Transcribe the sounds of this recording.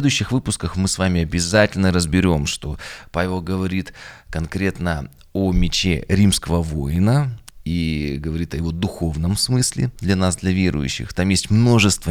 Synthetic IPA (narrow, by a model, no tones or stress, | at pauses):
d̪ʊjʏɕːɪxvɨpʊskəxmɨsvamʲɪɐbʲɪzatʲɪlʲnəɾəzbʲɪɾʲo̞mʂt̪o̞pavʲɪlˠɡəvɐɾʲit̪kɐnkɾʲe̞t̪nə | omʲɪt͡ɕḛɾʲimskəvəvojɪnəiɡəvɐɾʲit̪əjɪvo̞d̪ʊxo̞vnəmsmɨsʲlʲɪ̰d̪lʲɐnasd̪lʲɐvʲe̞ɾʊ̰jʉ̰ɕːɪ̰xt̪amjesʲtʲmno̞ʐɨst̪və